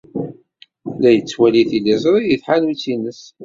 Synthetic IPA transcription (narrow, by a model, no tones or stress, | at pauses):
læjət͡sːwæliθilizˤɾˤijəθħanwit͡sːinəs